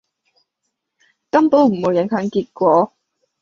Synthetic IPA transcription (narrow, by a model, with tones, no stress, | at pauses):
kɐ˥mpo˨˥wm̩˨˩mo˨˥wjɐ˨˥ŋhʰœː˨˥ŋkiː˧t̚kʷɔː˨˧˥